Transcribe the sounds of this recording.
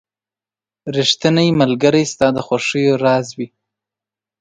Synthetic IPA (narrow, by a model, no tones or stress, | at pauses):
ɾiʂt̪ənajmalɡəɾajst̪ɑd̪əxwaʂəjoɾɑzwi